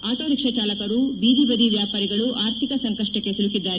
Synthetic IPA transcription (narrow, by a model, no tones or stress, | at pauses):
aːʈoːɾikʂɐt͡ʃaːlɐkɐɾubiːd̪ibɐd̪iʋjaːpaːɾiɡɐɭuʔaːɾt̪ʰikɐsɐŋkɐʂʈɐkːe̞sulukid̪ːaːɾe